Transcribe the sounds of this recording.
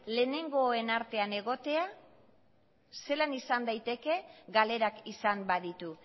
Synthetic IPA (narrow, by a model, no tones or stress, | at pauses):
le̞ːne̞ŋɡo̞e̞naɾt̪e̞ane̞ɣ̞o̞t̪e̞a | se̞lanisand̪ajt̪e̞ke̞ɡale̞ɾakisambaðit̪u